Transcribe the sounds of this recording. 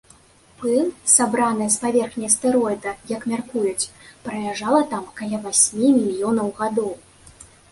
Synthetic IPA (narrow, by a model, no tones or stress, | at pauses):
pɨnsabɾanɨjɐspavʲɛrxnʲɐjst̪ɛɾɔjd̪ɐjɐkmʲarkujut͡sʲpɾɐjʲaʐalˠɐt̪amkɐlʲɛvasʲmʲimʲilʲijɔnɐwɣad̪ɔw